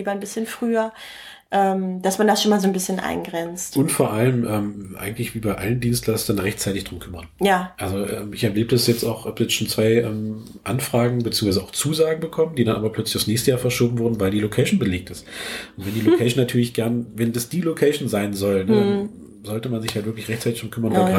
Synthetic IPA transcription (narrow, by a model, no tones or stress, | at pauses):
iːbɐnbɪsçənfʁ̥yːɐ | ʔɛːmd̥asmandasʃoːnmaːlzoːnbɪsçənʔa̰ɪnɡʁɛnt͡stʔʊntfoːɐʔaləmʔɛːmʔa̰ɪɡŋ̩tlɪçv̥iːbaɪʔaləndiːnstlasd̥anʁɛçt͡saɪtɪçd̥ʁʊmkʰʏmɐnjaːʔalzoʔɛ̰ːmɪçɛɐleːbəasjɛt͡staʊxʔapjɛt͡sʃoːnt͡sv̥aɪʔɛːm | ʔanfʁ̥aːɡŋ̩bət͡siːʊŋvaɪzəaʊxt͡suːzaːɡŋ̩bəkʰɔməndiːdanʔaːbɐpʰl̥œt͡slɪçaʊsnɛːçstəjaːɐfɛɐʃoːbm̩vʊɐdn̩vaɪldiːlokʰɛɪʃn̩bəleːk̚tɪstʊntv̥ɛndiːlokʰɛɪʃn̩nːatʰyːɐlɪçɡ̥ɛɐnvɛndasd̥iːlokʰɛɪʃn̩zaɪnzɔldə | zɔltəmanzɪçhaltv̥ɪɐklɪçʁ̥ɛçtt͡saɪtɪçd̥ʁʊmkʰʏmɐnvaɡa